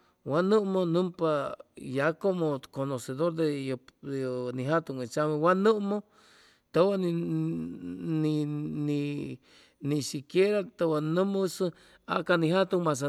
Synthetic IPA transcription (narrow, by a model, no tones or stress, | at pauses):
wanũmonũmpajakomokonoseðoɾd̪ejo | nĩɦat̪uŋet͡ʃamẽwanũmo | t̪owan | nini | nĩsikjeɾat̪owanũmosɨ | a̰kanĩhat̪uŋmas̬a